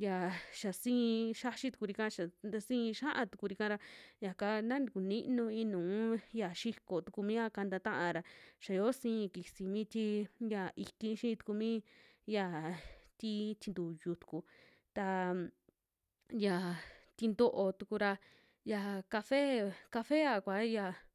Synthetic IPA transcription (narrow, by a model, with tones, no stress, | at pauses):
ja˨ʃa˨sĩː˦˧ʃa˦ʃi˦t̪u̥˧ku˧ɾi˧kã˦˧ʃa˨d̪a˧sĩ˦˧ʃã˦ʔã˧t̪u̥˧ku˧ɾi˧kã˧ɾa˧ja˨ka˧nã˦ni˧ku˨nĩ˦ʔnũ˧ĩ˧nũː˨˦ja˨ʃi˦ko˨t̪u˧ku˧mĩ˦ja˧ka˧nd̪a˧t̪ã˦ʔã˧ɾa˧ʃa˨jo˦sĩː˦˧ki˨si˧˨mĩ˦t̪i˧ja˨i˧t̪ĩ˧˦ʃĩ˦˧t̪u̥˧ku˧mĩ˦ | ja˧˨t̪i˧t̪i˧nd̪u˨ju˧˨t̪u̥˧ku˧ | t̪a˧ | ja˨t̪i˧nd̪o˧ʔo˧t̪u˧ku˧ɾa˧ | ja˨ka˧fe˦ka˧fe˦a˧kʷa˨˦ja˧˨